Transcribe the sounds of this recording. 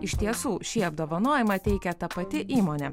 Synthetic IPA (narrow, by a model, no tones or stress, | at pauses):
ɪʃʲt̪ʲiɛsuːʃʲiːɐb̚d̪oːʋɐnoːjɪmɐt̪ʲɛɪkʲɛt̪ɐpɐt̪ʲɪʔiːmoːnʲɛ